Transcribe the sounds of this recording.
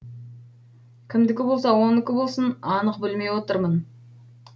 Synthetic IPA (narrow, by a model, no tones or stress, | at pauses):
kʲʰɪmd̪ɪkʲɪbo̞lˠsɑwo̞nɪkʲɪbo̞lˠsənɑnəqbɪlme̞jwo̞t̪əɾmən